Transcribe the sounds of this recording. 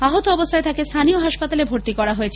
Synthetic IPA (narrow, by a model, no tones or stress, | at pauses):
aɦot̪oɔbost̪ʰaet̪ʰakest̪ʰanioɦaʃpat̪alebʱoɾt̪ikɔɾaɦoet͡ɕʰe